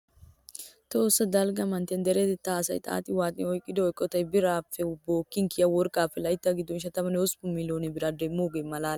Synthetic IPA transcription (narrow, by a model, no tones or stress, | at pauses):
t̪oːsɐd̪ɐlɡɐmɐnt̪ɛnd̪ɛɾɛt̪ɛt̪ːaːsɐ̰jt̪ʼa̰ːt̪ʼɪwaːt̪ʼɪ̰ɔjkʼːɪd̪ɔɔjkʼːɔt̪ɐjbɪɾaːfɛʊboːkːɪŋkɪjɐwɔɾkʼaːfɛlɐjt̪ːɐɡɪd̪ːɔnʃ̬ɐt̪ɐmɐnospʊmːɪloːnɛbɪɾaːd̪emːoːɡemɐlaːl